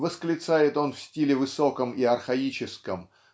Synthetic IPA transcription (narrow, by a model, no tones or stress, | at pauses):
vəsklʲɪt̪sajɪt̪o̞nfsʲtʲilʲɪvɨso̞kəmiɐrxɐit͡ɕɪskəm